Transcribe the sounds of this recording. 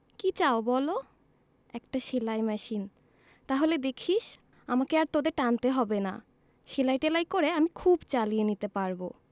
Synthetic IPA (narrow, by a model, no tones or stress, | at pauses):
kit͡ɕaobɔlo | ɛk̚ʈaʃelajmɛʃin | t̪aɦoled̪ekʰiʃ | amakeaɾt̪od̪eɾʈant̪eɦɔbena̰ | ʃelajʈelajkoɾeamikʰubt͡ɕalienit̪epaɾbo